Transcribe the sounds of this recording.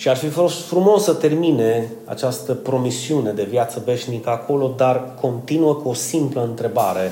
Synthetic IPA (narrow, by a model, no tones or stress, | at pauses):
ʃiarfifo̞st̪fɾumo̞sət̪e̞rmine̞ | a̰t͡ʃast̪əpɾo̞misiune̞d̪e̞vjat̪səve̞ʃnikəakʰo̞lo̞d̪arkʰo̞nt̪inuəkuo̞simpləɨnt̪ɾe̞baɾe̞